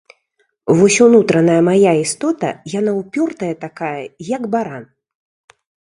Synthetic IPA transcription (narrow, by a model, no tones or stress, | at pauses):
vɔsʲunut̪ɾɐnɐjɐmajaist̪ɔt̪ɐ̰jan̪awpʲɔrt̪ɐjɐt̪akajɐjɐɡbaɾan